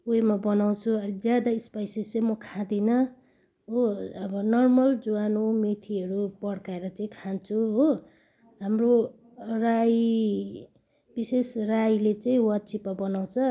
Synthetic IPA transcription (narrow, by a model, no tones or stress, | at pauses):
uemabʌnaw̃t͡sʰuʌɾd͡zjad̪aispajsisʌ̃mʌkʰãd̪inʌ | ɦoʌbʌnʌrmʌld͡zuwanomit̪ʰiʌɾupʌɽkaeɾʌt͡saĩkʰant͡sʰuɦo | ɦamro | raj | b̥isesrajlet͡saĩwʌt̪̚t͡sʰipabʌnaw̃t͡sʰʌ